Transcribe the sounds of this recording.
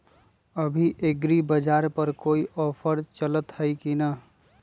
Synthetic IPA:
əbʱiʔeɡɾibəd͡ʒaːɾpəɾkoːiʔɔːpʰəɾt͡ʃələt̪həjkinə

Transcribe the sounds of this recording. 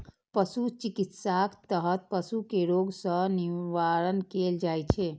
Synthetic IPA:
pəsut͡ʃikit̪sakt̪əɦət̪̚pəsukeɾoɡsə̃niʋaɾənkeld͡ʒajt͡ʃʰe

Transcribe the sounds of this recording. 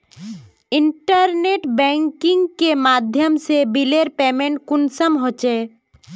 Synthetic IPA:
ɪɳʈəɾneːʈbɛ̃ːŋkɪ̃ŋɡkemaːd̪ʱjəmsebileːɾpeːmẽɳʈ̚kʊnsəmɦoːt͡ʃeː

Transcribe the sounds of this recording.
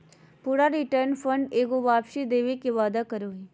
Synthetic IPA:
puɾaɾiʈəɾnfəɳɖeːɡoʋaːpʃid̪eːʋekeʋaːd̪akəɾoɦi

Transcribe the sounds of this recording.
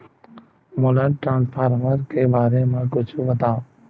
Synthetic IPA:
moːlənʈɾãːnspʰaːɾməɾkeːbaːɾeːmãːɡʊt͡ʃʰuʋəd̪aː

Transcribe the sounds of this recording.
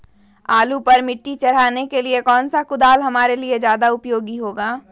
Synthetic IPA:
aːlupɐɾmɪʈːit͡ʃɐɽ̤aːnekeliekɔːnsakʊd̪aːlɦɐmaːɾelied͡ʒjaːd̪aʊpjoːɡiɦoːɡaː

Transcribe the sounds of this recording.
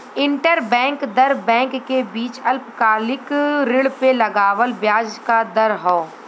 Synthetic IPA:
ɪ̃ɳʈəɾbɛ̃ːŋkd̪ɐɾbɛ̃ːŋkːebiːt͡ʃɐlpkaːlɪkɾɪɭpelɐɡaːʋəlbjaːd͡ʒkad̪ɐɾɦoː

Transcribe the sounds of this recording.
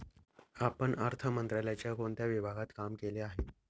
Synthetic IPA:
apəɳəɾt̪ʰəmənt̪ɾaljat͡ɕjakoɳt̪jaʋibʱaɡʱat̪kamkeleaɦe

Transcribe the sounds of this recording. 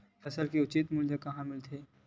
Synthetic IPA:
fʰɐsəlkeʊt͡ʃiːt̪muljəkɐɦãmɪlt̪ʰeː

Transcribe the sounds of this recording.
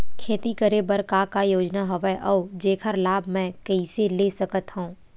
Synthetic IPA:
kʰeːt̪ikəɾebəɾkakajoːd͡ʒnaɦɐʋɛʔɔːd͡ʒeːkʰəɾlaːbmɛ̃kɐiseleːsəkət̪hõː

